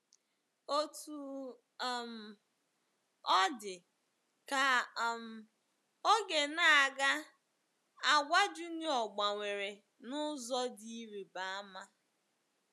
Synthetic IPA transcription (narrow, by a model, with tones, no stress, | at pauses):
o˦tu˨ | m̩˨ | ɔ˦dɪ˨ | ka˨m̩˨ | o˦ɡe˨na˦a˨ɡa˦ | a˨ɡʷa˦d͡ʒu˦ni˦ɔ˨ɡ͡ba˨ŋʷe˨ɾe˨ | nʊ˦zɔ˦di˦ɾi˨ba˨a˦ma˦